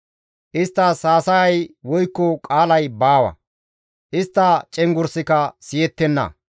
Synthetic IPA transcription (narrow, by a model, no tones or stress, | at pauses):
ʔɪst̪ːɐsaːsɐjɐjwɔjkːɔkʼaːlɐjbaːwɐ̰ | ʔɪst̪ːɐt͡ʃʼɛŋɡʊɾsɪkɐsɪjɛt̪ːɛnːɐ̰